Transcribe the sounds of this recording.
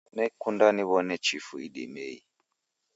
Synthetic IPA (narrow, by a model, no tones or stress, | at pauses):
nɛkundaniβɔnɛt͡ʃifuiɗḭmɛḭ